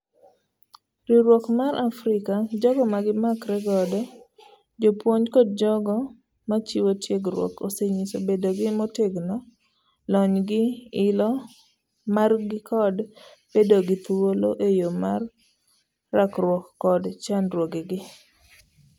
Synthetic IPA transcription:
ɾiɾwɔkmaɾʔafɾɪkad͡ʒɔɡɔmaɡɪmakɾɛɡɔdɔ | d͡ʒopwoɲkɔd̚d͡ʒɔɡɔ | mat͡ʃiwotjeɡɾwɔ̰koseɲisobedoɡɪmɔteɡnɔ | lɔɲɡɪɪlɔ | marɡɪkʰɔd | b̥edoɡɪt̪uwoloʔejomarː | akɾwɔkːɔdt͡ʃanɾwoɡeɡɪ

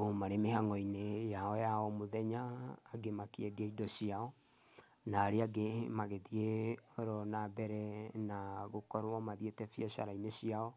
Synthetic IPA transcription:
omaɾemehaŋɔinejaɔjaɔmoðɛɲaːɡemakeɛdiaidɔsiaɔ | naːɾeaɡemaɣeðieɔɾɔnabɛɾɛnaɣokɔɾwɔmaðietɛfjɛʃa̰ɾainesiaɔ

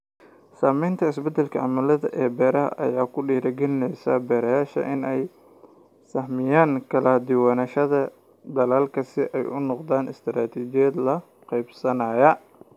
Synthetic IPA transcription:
saːmɛjnt̪ʰɐɪsbɛd̪ɛlkʰɐʔɐ̰mɐlɐðɐ̰ʔɛːbɛːɾɐɦɐ̰ʔɐ̰jaːkʰʊɖiːɾɐɡɛlɪnɛjsɐ̰bɛːɾɐjaːʃɐ̰ʔɪnɛj | sɐhmɪjaːŋkʰɐlaːd̪ɪwaːnɐʃɐðɐ | d̪ɐlaːlkʰɐsɪʔɛjʔʊ̰nɔqd̪aːnɪ̰st̪ʰɾaːt̪ʰiːd͡ʒɪjɐd̪lɐ | qɛjbsɐnaːjɐ

